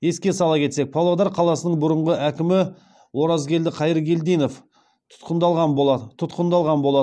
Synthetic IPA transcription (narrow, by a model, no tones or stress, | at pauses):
je̞skʲe̞sɑlˠɑkʲʰe̞t̪se̞k̚pʰolˠod̪ɑɾqʰɑlˠɑsənəɴbʊɾəɴʁəʔækʲɪmɪ | wo̞ɾɑzɡʲe̞ld̪ɪqʰɑjəɾɡʲe̞ld̪ejno̞f | t̪ʰʊ̥t̪qənd̪ɑlˠʁɑt̪ʰʊt̪qənd̪ɑlˠʁɑnbo̞lˠɑd̪ə